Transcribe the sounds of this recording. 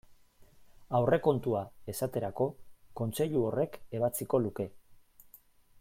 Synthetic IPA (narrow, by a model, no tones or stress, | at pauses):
awre̞ko̞nt̪uae̞sat̪e̞ɾako̞ko̞nt͡se̞ʎuo̞re̞ke̞β̞at͡siko̞luke̞